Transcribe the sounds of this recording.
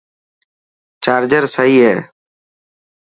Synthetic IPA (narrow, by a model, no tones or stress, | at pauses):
t͡ʃaːɾd͡ʒəɾsəɦiːɦeː